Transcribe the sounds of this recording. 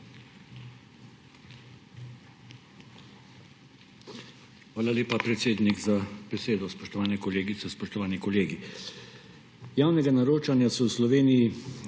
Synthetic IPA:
xʋaːlaleːpapɾɛt̪seːd̪niɡzab̥ɛseːd̪ɔspɔʃt̪ɔʋaːnɛkɔleːɡit̪sɛspɔʃt̪ɔʋaːnikɔleːɡi | jaːwnɛɡanaɾoːt͡ʃanjasɔwslɔʋeːniji

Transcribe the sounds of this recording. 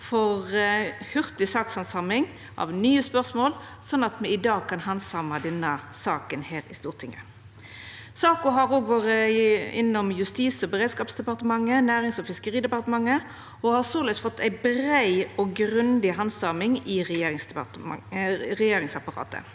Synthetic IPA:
fɔʁhʉʁt̪ɪsɑːkshɑnsɑmɪŋ | ʔɑ̰ʋnyːəspœʁsmoːl | sɔnːɑt̪mɛɪd̪ɑːɡ̚kʰɑnhɑnsɑmɑd̪ɛnːəsɑːkənheːʁɪst̪uːʁt̪ʰɪŋːə̰ | sɑːkʊɦɑɾoːɡʋɑːɾəɪnːɔmjʉst̪iːsɔbəʁeːd̪skɑːpsd̪ɛpɑʁt̪əmɑŋːənæːʁɪŋsɔfɪskəʁiːd̪ɛpɑʁt̪əmɑŋːə | ɔhɑsøːʁlʋisfɔt̪ʰːæɪbɾæɪɔɡʁʉnd̪ɪɦɑnsɑmɪŋɪʁɛjeːɾɪŋsɑ̰ | ʁɛjeːɾɪŋsɑpɑʁɑ̰ːt̪ə̰

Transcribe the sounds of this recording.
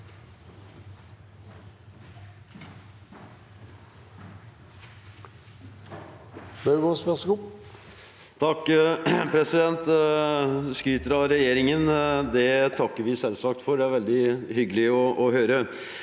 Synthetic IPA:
bɑɡosʋɛsɡu | t̪ʰɑkːpʰɾɛsɪd̪ɛnt̪ | skɾyːt̪əɾɑɾɛjeːɾɪŋənd̪ɛt̪ʰɑkːəɾʋɪsɛlsɑk̚t̪fɔɾɖ̪ɛæɾʋɛld̪ɪhʏɡəlɪɔʔɔɦøːɾə

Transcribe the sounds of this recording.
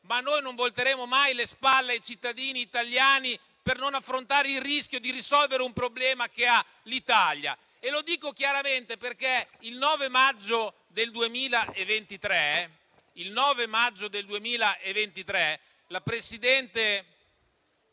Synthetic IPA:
manːojnoɱvolt̪eɾeːmomajlespalːeajt͡ʃit̪ːad̪iːniːt̪aljaːni | pernonafːɾont̪aːɾeilriskjod̪iɾisɔlveɾeumpɾoblɛːmak̟ea | lit̪alja̰ | elod̪iːkok̟jaɾament̪eperke | ilnɔːvemad͡ʒːo | d̪eld̪uemiːlaʔevːent̪it̪ɾɛ | ilnɔːvemad͡ʒːod̪eld̪uemiːlaʔevːent̪it̪ɾɛ | lapɾesid̪ɛnt̪e

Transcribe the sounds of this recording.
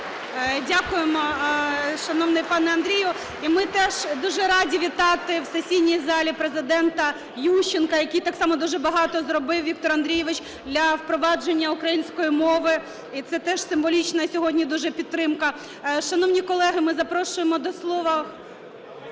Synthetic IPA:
dʲakʊjemɔ | ʃɐnɔʋnɪjpɑnɛɐnd̪ɾʲijʊ | imɪt̪ɛʒd̪uʒɛɾɑdʲiʋʲit̪ɑt̪ɪwsesʲijnʲijzɑlʲipɾezɪd̪ɛnt̪ɐ | juʃt͡ʃːɪnkɐjɐkʲijt̪ɑksɑmɔd̪uʒɛbɐɦɑt̪ɔzɾɔbɪwʋʲik̚t̪ɔɾɐnd̪ɾʲijɛʋɪt͡ʃ | d̪lʲɐwpɾɔʋɑd͡ʒenʲːɐʊkɾɐjinʲsʲkɔjimɔʋɪ | it̪sɛt̪ɛʃsɪmʋɔlʲit͡ʃnɐsʲɔɦɔdʲnʲid̪uʒɛpʲidt̪ːɾɪmkɐ | ʃɐnɔwnʲikɔlˠɛɦɪmɪzɐpɾɔʃʊjemɔd̪ɔslˠɔʋɐ

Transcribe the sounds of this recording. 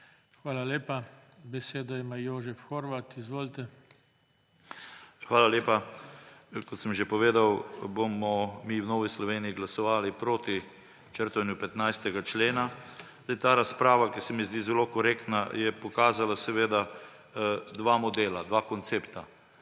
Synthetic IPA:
xʋaːlaleːpabɛseːd̪aimajoːʒɛfxoɾʋat̪izʋoːlt̪ɛ | xʋaːlaljeːpa | kɔt̪səmʒepɔʋeːd̪awbomɔmiːwnoːʋislɔʋeːniiɡlasɔʋaːlipɾoːt̪i | t͡ʃəɾt̪ʋɛnjupɛt̪najst̪ɛɡat͡ʃleːnazd̪ajt̪aːɾaspɾaːʋakisɛmizd̪izɛlokɔɾeːkt̪najɛpɔkaːzalasɛʋeːd̪a | d̪ʋamɔd̪eːlad̪ʋakɔnt̪seːpt̪a

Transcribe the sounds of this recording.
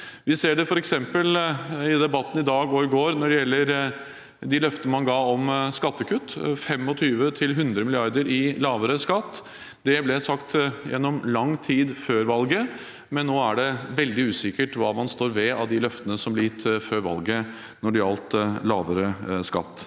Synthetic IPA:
ʋɪseːɖɛfɔɾɛksɛmpəlɪd̪ɛbɑt̪ːən̩ɪd̪ɑːɡoɪɡoːɾnɔɖɛjɛlːəɾ | d̪ɪlœft̪ənəmɑnɡɑːɔmskɑt̪ːəkʰʉt̪ːfɛmɔt̪ʰyːʋət̪ʰɪlɦʉnd̪ɾəmɪlɪɑɾd̪əɾɪlɑːʋəɾəskɑt̪ː | d̪̥ɛblɛsɑkt̪jɛ̰nːɔmlɑŋːt̪ʰiːd̪føːɾʋɑlɡə | mɛnːoːæɖɛʋɛld̪ɪʉːsɪkːəʈʋɑːmɑnst̪oːɾʋɛɑʋd̪ɪlœft̪ənəsɔmblɪjɪt̪ːføːɾʋɑ̰lɡə | nɔɖɛɑlt̪lɑ̰ːʋəɾəskɑ̰t̪ː

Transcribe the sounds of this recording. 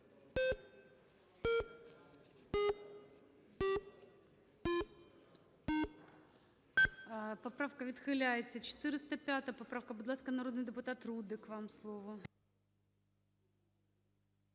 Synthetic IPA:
pɐpɾafkəvʲɪt̪xɨlʲajt͡sʲɪt͡ɕɪ̥t̪ɨɾʲɪst̪əpʲat̪əjpɐpɾafkəbʊd̪lˠaskənɐɾo̞d̪nɨjdʲɪpʊt̪at̪rud̪ɨkvamslˠovʊ

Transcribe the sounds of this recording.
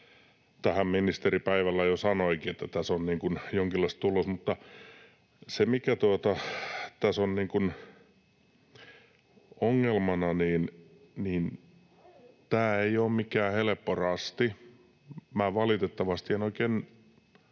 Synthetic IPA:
t̪æhæmminist̪eripæiʋælːæjosɑnoikiet̪ːæt̪æsonniːŋkunjoŋkilːɑist̪ulosmut̪ːɑ | semikæt̪uot̪ɑt̪æsonniːŋkun | oŋːelmɑnɑniːn | niːn | t̪æːeioːmmikæːhelepːorɑst̪i | mæːʋɑlit̪et̪ːɑʋɑst̪ienoikeːn

